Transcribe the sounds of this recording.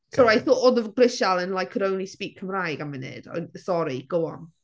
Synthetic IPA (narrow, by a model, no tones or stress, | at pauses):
sɔɹajθoʔɔðəvɡrɪʃalˠə̃nlˠajkʰːəɾõw̃nlispiːˑkʰːəmrajɡamɪnɪ̰d̥a̰sɔɾiɡ̥owɔn